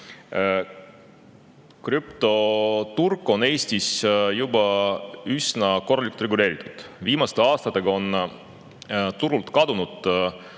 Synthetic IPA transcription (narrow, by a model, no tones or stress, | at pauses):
kɾypt̪o̞t̪urkːˑo̞ne̞ːsʲt̪isjubɑysnɑko̞rːɑliku̥lt̪rɾe̞ɡule̞ːɾit̪ːˑu̥d̪̥viːmɑst̪eɑːst̪ɑt̪ːˑe̞ɡ̥ɑo̞n | t̪uɾult̪ˑkɑd̪unud̪̥